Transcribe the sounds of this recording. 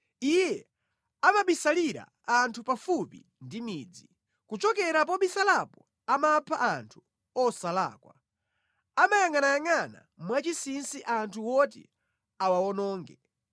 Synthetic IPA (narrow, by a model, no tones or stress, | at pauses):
ijɛ | amaɓisaliɾa̰ | antʰupafupḭ | ndimiːd͡zi | kut͡ʃɔkɛɾap̬ɔɓisalapɔ | amapʰaʔantʰu̥ | ɔsala̰ːkwa̰ | amajaŋanajaŋana̰ | mwat͡ʃisinsiʔantʰuwɔtɛ̰ | awawɔnɔːŋɡɛ